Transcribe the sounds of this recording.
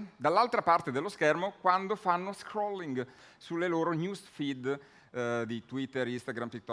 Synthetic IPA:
d̪alːalt̪ɾapart̪ed̪elːoskɛrmokwand̪ofanːoskɾɔlːiŋɡ | sulːeloːɾonjusfid̪ | d̪it̪wit̪ːeɾist̪aɡɾampikt̪ɔ

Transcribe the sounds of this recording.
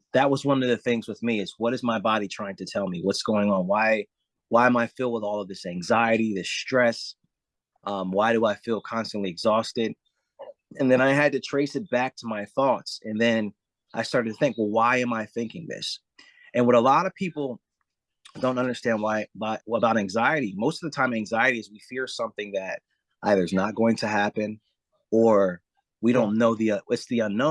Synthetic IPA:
ðɨt̚wʌzwʌ̃nʌvðɨθɪ̃ŋzwəðmiɨzwʌɾɨzmaɪbɑɾitʰɹ̥aɪɪ̃ŋtʰɨtʰɛlˠmiwʌtsɡ̥oʊɪ̃ŋə̃nwaɪ | waɪɨ̃maɪfɪlˠwəðɔlˠʌvðɪsæ̃ŋzaɪɨɾiðɪstɹ̥ɛs | ʔʌ̃mwaɪɾəaɪfilˠkʰɑ̃nstɨ̃nʔliɨɡzɔstɪd̚ | ɨ̃nðɨ̃ñaɪɨd̚tɨtʰɹ̥eɪsɨt̚b̥æk̚tʰəmaɪθɔtsɨ̃nðɨ̃n | ʔaɪstɑɹɾɨdtʰɨθɪ̃ŋkwɛlˠwaɪɨ̃maɪθɪ̃ŋkɪ̃ŋðɪ̰s | ɨ̃nwə̃nəlɑɾʌv̥pʰipl̩ˠ | d̥õʊ̃ntʌ̃ndə˞stæ̃nd̚waɪbaəbaʊɾæ̃ŋzaɪɨɾimoʊstʌvðətʰãɪ̃mʌvæ̃ŋzaɪɨɾiɨzwifɪɹsʌ̃mθɪ̃ŋðɨɾ̚ | ʔaɪðə˞znət̚ɡ̥oʊɪ̃ŋtʰɨɦæpɨ̃n | ə˞ | wiɾõʊ̃nːoʊðiʌɪtsðiʌ̃nːõ

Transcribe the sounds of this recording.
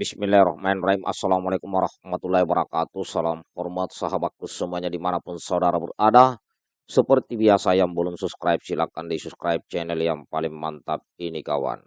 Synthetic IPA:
bisminlaɾɔhmaɛnraimʔa̰salamalekumwaɾahmat̪ulaibəɾakat̪usalamhɔrmat̪saɦabat̪̚kusəmuaɲadimanapunsaudaɾabərada | səpərt̪ibiasajaŋbəluŋsuskɾajp̚silakandisuskɾajp̚t͡ʃɛnɛljaŋpalɪŋmant̪ap̚inikawa̰n

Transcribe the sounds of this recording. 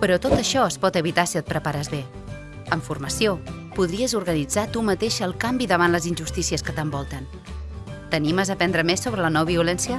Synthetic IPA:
pəɾɔt̪ot̪əʃɔəspɔt̪əβit̪asiət̪̚pɾəpaɾəzβe | əɱfurməsio | puðɾiəzuɾɣənid͡zat̪umət̪eʃəlˠkambiðəβ̞anləzinʲʒust̪isiəskət̪əmbɔlˠt̪ən | t̪əniməzəpɛnd̪ɾəmesːoβɾələnɔβiulɛnsiə

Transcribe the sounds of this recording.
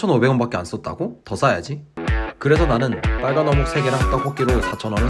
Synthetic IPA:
t͡ɕʰʌnobe̞ɡʌnbak͈e̞ans͈ʌt̚t͈a̰ɡotʌs͈ajad͡ʑikɯɾe̞sʰʌnanɯnp͈aɭɡanʌmok̚sʰeɡeɾaɦat͈aɸʰok̚k͈iɾosʰat͡ɕʰʌnɦamɯn

